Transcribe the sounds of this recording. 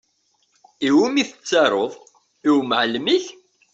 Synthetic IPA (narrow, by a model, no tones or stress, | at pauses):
iwumiθə̥t͡sːɑɾˤoðˤ | iwmʕlmiç